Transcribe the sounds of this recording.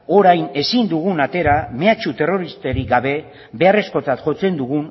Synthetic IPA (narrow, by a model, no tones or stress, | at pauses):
o̞ɾajne̞sind̪uɣ̞unat̪e̞ɾame̞at͡ʃut̪e̞ro̞ɾist̪eɾikɡaβe̞ | be̞are̞sko̞t͡sat̪xo̞t͡se̞nd̪uɣ̞un